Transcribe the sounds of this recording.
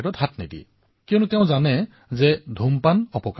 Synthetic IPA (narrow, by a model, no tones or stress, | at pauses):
ɾɔtɦatnidḭ | kijɔnuteʊ̃zanɛ | zɛdʱumpanɔpɔk